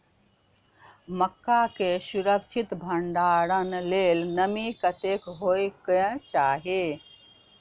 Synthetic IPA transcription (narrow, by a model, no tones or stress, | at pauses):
məkːakesuɾəkt͡ʃʰit̪bʱəɳɖaːɾənleːlnəmikət̪ekɦoekə̃t͡ʃaːɦe